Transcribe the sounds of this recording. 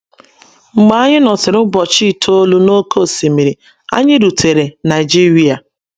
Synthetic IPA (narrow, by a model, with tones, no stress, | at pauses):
ŋ͡m̩˨ɡ͡ba˦a˦ɲɪ˦nɔ˨sɪ˨ɾʊ˦bɔ˨t͡ʃi˦˨tʰo˦lu˦no˦kʰo˦˨si˨mi˨ɾi˨ | a̰˦ɲɪ˦ɾu˨tʰe˨ɾe˨na˨ɪ˨d͡ʒi˦ɾi˦a˨